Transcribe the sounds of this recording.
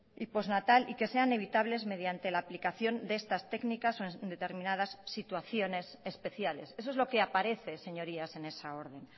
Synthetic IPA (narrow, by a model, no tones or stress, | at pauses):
ipo̞znat̪alike̞se̞ane̞β̞it̪aβle̞zme̞ðjant̪e̞laːplikaθjo̞nd̪eest̪ast̪e̞knikasoennd̪e̞t̪e̞ɾmĩnað̞asːit̪waθjo̞ne̞sespe̞θjale̞̰ses̬oezlo̞ke̞apaɾe̞θe̞se̞ɲo̞ɾiase̞ne̞sao̞ɾð̞e̞n